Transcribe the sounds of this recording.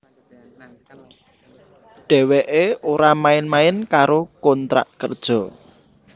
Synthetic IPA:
ɖ̥ɛ̤wɛʔeoɾamaɪnmaɪnkaɾokɔnt̪ɾa̰ʔkə̰rd̥ʒ̥ɔ̤

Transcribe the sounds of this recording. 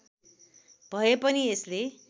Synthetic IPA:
b̥ʱʌjepʌniesle

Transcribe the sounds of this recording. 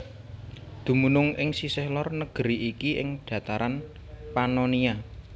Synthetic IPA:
d̪̥ṳmunʊŋʔɪŋsisɛhlɔrnəɡ̥əɾiʔikiʔɪŋɖ̥ä̤t̪aɾan | panonia

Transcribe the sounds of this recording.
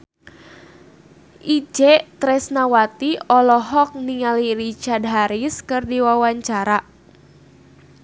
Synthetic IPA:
ʔid͡ʒɛt̪ɾɛsnawat̪iɔlɔɦɔk̚niŋaliɾit͡ʃard̪ɦaɾiskɨrdiwawaɲt͡ʃaɾa

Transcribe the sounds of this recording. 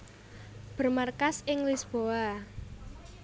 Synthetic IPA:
b̥ə̤rmarkasɪŋlisb̥oa

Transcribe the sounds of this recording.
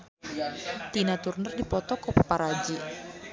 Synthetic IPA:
t̪inat̪urnərdipɔt̪ɔkɔpapaɾad͡ʒi

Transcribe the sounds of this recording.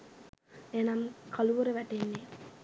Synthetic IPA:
enamkʰaluʋuɾeʋæʈenːe

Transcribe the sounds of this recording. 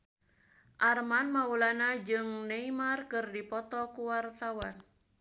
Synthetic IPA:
ʔarmanmaulanad͡ʒɨŋneimarkɨrdipɔt̪ɔkuwart̪awan

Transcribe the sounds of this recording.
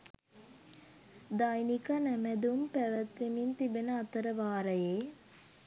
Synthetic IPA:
d̪ajnikanæmæd̪umpæʋət̪ʋemint̪ibenəat̪əɾəʋaːɾəjeː

